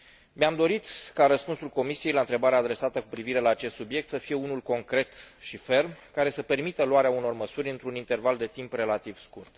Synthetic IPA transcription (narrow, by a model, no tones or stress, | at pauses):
meamd̪o̞ɾit̪kaɾəspunsulko̞misie̞jlaɨnt̪ɾebaɾeaːd̪ɾe̞sat̪əkupɾiviɾe̞laːt͡ʃe̞st̪subje̞k̚t̪səfije̞unulko̞ŋkɾe̞t̪ʃife̞rmkaɾe̞səpe̞rmit̪əluaɾeauno̞rməsuɾʲɨnt̪ɾunint̪e̞rvald̪e̞t̪impre̞lat̪iv̥skurt̪